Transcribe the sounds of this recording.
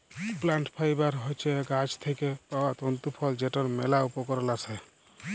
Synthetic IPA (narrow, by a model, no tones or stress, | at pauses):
plãɳʈpʰajbaɾɦɔjt͡ʃʰeɡad͡ʒt̪ʰekepawat̪ɔnt̪upʰɔld͡ʒeʈɔɾmelaupɔkɔɾɔlasɛ